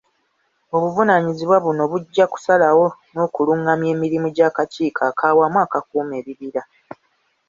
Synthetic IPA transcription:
o̞βuvunaɲiziβwaβuno̞βuɟːaku̥salawo̞no̞ːkuluŋɡamje̞ːmiɾimuɟaːkaciːkʰaːkʰaːwamwaːkak̚uːme̞ːβiβiɾa

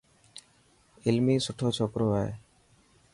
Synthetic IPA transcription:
ɪlmiːsʊʈʰoːt͡ʃʰɔkɾoae

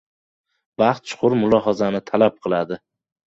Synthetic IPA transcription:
vɑχt̪̚t͡ʃʰʊ̥qʰʊɾmʊlˠɒɦɒzanɪt̪ʰalap̚qʰɨlˠad̪ɪ

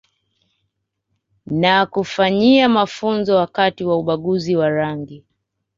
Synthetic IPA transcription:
nakufaɲiamafunzɔwakatiwauɓaɠuziwaɾaŋɡi

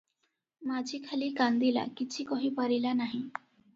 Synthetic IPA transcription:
mad͡ʑʱiːkʰaliːkand̪ila̰kit͡ɕʰikɔɦipaɾilanaɦĩ

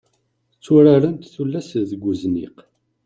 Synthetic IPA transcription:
t͡sːʊɾaɾənt̪θulːæsðəɡʷːuznḭq

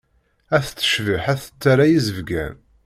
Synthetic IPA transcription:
æθt͡sːə̥ʃvəħæθə̥t͡sːaɾæjizəvɡæ̰n

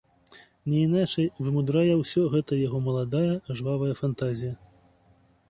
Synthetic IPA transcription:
nʲɛinat͡ʂɐjvɨmud̪ɾajɐwsʲɔɣɛt̪ɐjaɣɔmɐlˠad̪ajɐʐvavɐjɐfant̪azʲijɐ

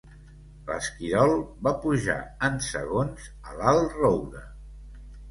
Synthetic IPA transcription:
lə̰skiɾɔlˠbapuʒa̰ənsə̰ɣonz | əlalˠrowðə

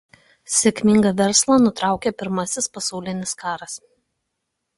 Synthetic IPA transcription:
sʲɛkʲmʲɪŋɡɐʋʲɛɾslˠɐnʊt̪ɾɑˑʊkʲepʲɪɾmɐsʲɪspɐsɑˑʊlʲɪnʲɪskɑːɾɐs

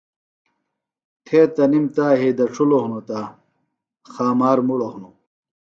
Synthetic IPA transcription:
t̪ʰeːt̪ɐnimt̪aːɦed̪ɐʈ͡ʂʰulohunot̪a | xaːmaːɾmuɽohnu

